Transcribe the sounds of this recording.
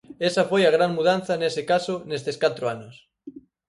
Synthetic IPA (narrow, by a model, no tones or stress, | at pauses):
esafojaɣɾaŋmuð̞anθɐnesɪkasʊnest̪eskat̪ɾoanʊs